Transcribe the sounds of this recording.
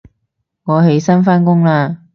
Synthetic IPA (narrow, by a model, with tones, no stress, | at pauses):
ŋɔː˨˧he˨˥jsɐ˥nfaː˥nkʊ˥ŋlaː˧